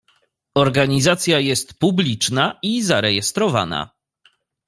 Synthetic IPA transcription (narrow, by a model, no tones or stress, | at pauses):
ɔɾɡaɲizat̪sʲjajɛst̪publʲit͡ʂnaizaɾɛjɛst̪ɾɔva̰na̰